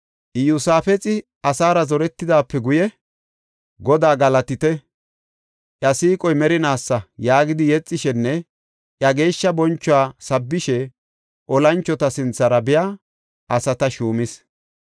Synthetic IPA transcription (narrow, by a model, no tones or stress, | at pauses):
ʔɪjʊsaːfɛt͡sʼɪ | ɐsaːɾɐzɔɾɛt̪ːɪd̪aːpːɛɡʊjɛ | ɡɔd̪aːɡɐlɐt̪ɪt̪ɛ | ʔjɐsiːkʼɔjmɛɾɪnaːsːɐjaːɡɪd̪ɪjɛt͡sʼːɪʃɛnːɛ | ʔjɐɡe̞ːʃːɐbɔnt͡ʃːʊwaːsɐbːɪʃɛ | ʔɔlɐnt͡ʃːɔt̪ɐsɪnt͡sːɐɾɐbɪja | ʔɐsɐt̪ɐʃuːmɪs